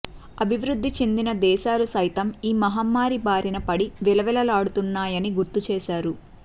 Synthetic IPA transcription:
ɐbʱiʋɾud̪ʱːit͡ʃend̪inɐd̪ɛːʃaːlusɐjt̪ɐmiːmɐɦaːmːaːɾibaːɾinɐpɐɽiʋɛlɐʋɛlɐlaːɽut̪unːaːjɐniɡuɾt̪ːut͡ʃɛːʃaːɾu

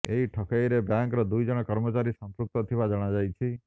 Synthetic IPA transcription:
eɦiʈʰɔkʰajɾebjaŋkɾɔd̪ujd͡ʒɔɽ̃ɔkɔɾmɔt͡ʃaɾisɔmpɾuk̚t̪ɔt̪ʰibad͡ʒɔɽ̃ad͡ʒajt͡ʃʰi

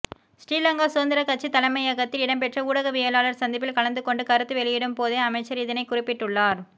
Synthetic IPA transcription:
sʈiːlɐŋɡaːsʊɐnd̪ɪɾɐkɐt͡ʃːit̪ɐlɐmɐɪɐɣɐt̪ːɪlɪɽɐmpɛʈrɐuːɽɐɣɐʋɪjɐlaːlɐɾsɐnd̪ɪpːɪlkɐɭɐnd̪ɯkɔɳɖɯkɐɾɯt̪ːɯʋɛɭɪjɪɽɯmpoːðeɐmɐɪt͡ʃːɐɾɪðɪnɐɪkʊrɪpːɪʈːɯɭːaːɾ

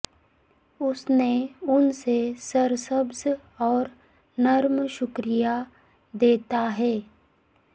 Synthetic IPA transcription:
ʊsneʊnsesəɾsəbz | ɔːɾ | nɐɾmʃʊkɾija | d̪eːt̪aɦɛː

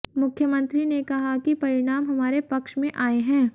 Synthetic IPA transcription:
mʊkʰjəmɐ̃nt̪ɾinekɐɦakipɐɾɪɽ̃aːmɦɐmaːɾepɐkʃmẽʔaːeɦɛ̃ː

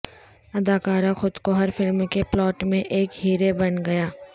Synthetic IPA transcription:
ɐd̪aːkaːɾaxʊd̪koɦɐɾfɪlmkeplɔːʈmẽʔeːkɦiːɾebɐnɡɐjaː

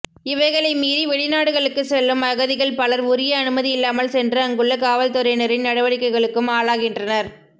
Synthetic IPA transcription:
ɪʋɐɪɣɐɭɐɪmiːðiʋɛɭɪnaːɽɯɣɐɭɯkːɯsɛlːɯmɐɣɐðɪɣɐɭpɐlɐɾʊɾɪjɐːnɯmɐðiɪlːaːmɐɭsɛndrɯɐŋɡɯɭːɐkaːʋɐlt̪ɔɾɐɪnɐɾɪnnɐɽɐʋɐɽɪkːɐɪɣɐɭɯkːɯmaːɭaːɣɪndrɐnɐɾ

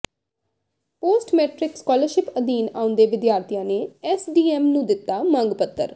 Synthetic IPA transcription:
poːsʈmɛːʈɾɪkskɔːləɾʃɪpəd̪iːnaːʊ̃nd̪eːʋɪd̪jaːɾt̪ijãːneːɛːsɖiːɛːmnũːd̪ɪt̪ːaːmə̃ŋɡpət̪ːə̰ɾ

